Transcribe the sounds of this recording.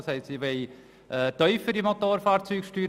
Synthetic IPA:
shɛɪtsiːʋɛɪ | ʔɛt̪œʏfəɾimot̪oːɾfaːɾt͡syːkʃtyːɾ

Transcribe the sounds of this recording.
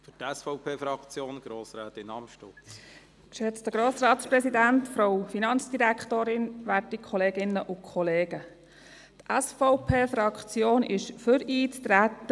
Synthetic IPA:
fytɛsfɔʊpʰeːfɾɑkt͡sjoːnɡ̥ɾoːsɾɛːt̪ɪnɑmʃto | kʃɛt͡stəɡ̥ɾoːsɾɑːt̪spɾɛsidæntfɾoʊfinɑnt͡sd̥iɾækχt̪oːɾɪnʋætikʰɔleːɡɪnːəʔʊkʰɔleːɡə | tʔæsfɔʊpʰeːfɾɑkt͡sjoːnɪʃfʏɾiːt͡st̪ɾæt̪ːə

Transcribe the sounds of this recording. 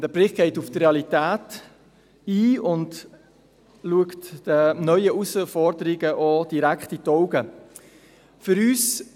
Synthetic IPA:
d̥əb̥ɾɪχ̚ɡ̥eɪtuftreɑlitæːt | iːʊnd | luəktd̥ənœʏəʔusəfɔɾdəɾɪɡəʔɔd̥iɾækχtitɔʊɡə | fʏɾyːs

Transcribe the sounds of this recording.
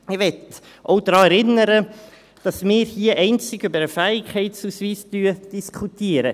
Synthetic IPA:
ɪʋɛt | ʔoʊd̥ɾɑːɛɾɪnəɾə | d̥ɑsmɪːɾhiːəʔɛɪnt͡sɪɡybəɾəfæɪkhɛɪtsuːsviːsd̥yːəd̥iskʰutiːɾə

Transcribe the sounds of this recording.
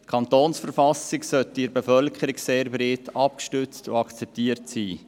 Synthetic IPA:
tkʰɑnt̪oːnsfəɾfɑsɪksœtːɪɾbefœlkʰəɾikseːɾbɾetʰɑp̚kʃtʏt͡sto̰ɑkt͡sɛp̚tiːəɾtsiː

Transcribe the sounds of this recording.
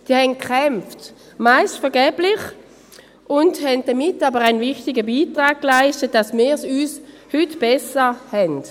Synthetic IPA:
d̥iːɐhɛn̚kχɛmft | maɪstfɛɐɡɛːb̥lɪχ | ʔʊndhɛnd̚d̥ɐmɪtːabəʁaɪnvɪχtɪɡəbiːtʁaːk̚klaɪʃtət̚d̥asmɪːɐsyːs | hytb̥ɛsəhɛnd

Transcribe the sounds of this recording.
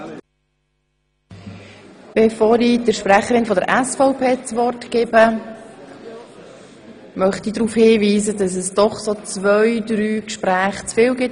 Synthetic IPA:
b̥efoːɾid̥əɾʃpræχəɾɪnfɔdə̰ɾʔæsfɔʊpʰeːt͡sʋɔrtkɪːbə | mœχt̪idɾuːfhiːviːzədɑs̬ɛsd̥ɔχsot͡svœʏdɾyːkʃpɾæːχt͡sfɪːlɡɪt

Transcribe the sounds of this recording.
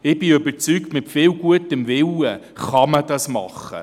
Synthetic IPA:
ɪb̥ɪøbəɾt͡syːk̚tmɪtfɪːwɡuətəmvɪwə | χɑməd̥ɑsmɑ̰χə̰

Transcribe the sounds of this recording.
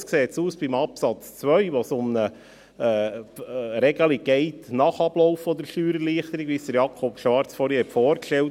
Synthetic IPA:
skseːt̪suːsb̥imɑpsɑt͡st͡sʋœʏʋɔsʊmnəː | ɾɛɡəliɡ̥ɛɪtnɑχɑb̥lɔʊfɔd̪əɾʃyːɾəɾliːχt̪əɾiɡʋisd̥̪əɾjɑkʰɔpʃʋɑɾt͡sfɔɾihɛtfɔːɾkʃtɛlt

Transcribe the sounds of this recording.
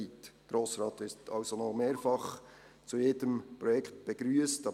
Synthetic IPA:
it̪ɡ̥ɾoːsɾɑːt̪ɪtʰɑlsonɔmeːɾfɑχ | t͡sujeːdəmpɾɔjɛkχt̚b̥ɛɡ̥ɾyəstɑ

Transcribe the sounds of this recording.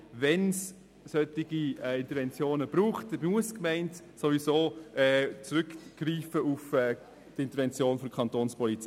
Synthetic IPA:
vɛns | sœtɪɡ̥iɛɪntəɾvɛnt͡sjoːnəb̥ɾuːχt̚ɛmuəskmɛɪnt | sovisoːʔɛːt͡sɾʏkɡ̥riːfəufɛː | d̥ɪnt̪əɾvɛnt͡sjoːnfɔdkʰɑntoːnspɔlit͡si

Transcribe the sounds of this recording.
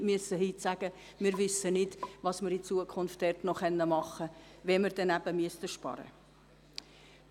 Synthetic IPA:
myəsəɦiːtsæɡ̥ə | mɪɾʋʏsːənɪdʋɑsmɪɾit͡suəkʰʊnftːɛrtnɔχɛnːəmɑχə | ʋɛməɾd̥ɛnæbəmyəstəʃpɑ̰ɾə̰

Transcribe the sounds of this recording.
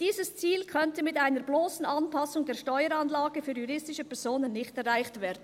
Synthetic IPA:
d̥iːzəst͡siːlkʰœntəmɪtaɪnəɾbloːsn̩ɑnpʰɑsʊŋdeːɐʃtɔʏəɾɑnlaːɡəfyːɾjuɾɪstɪʃəpɛɾz̥oːnənːɪçtɛɾaɪçtv̥ɛːdn̩

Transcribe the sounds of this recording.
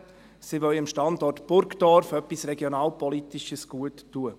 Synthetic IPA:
siʋœlɪmʃtɑndɔrtb̥ʊɾkd̥ɔɾfœpːisɾɛɡjonɑːlpɔlit̪iʃəsɡ̥uətːuə

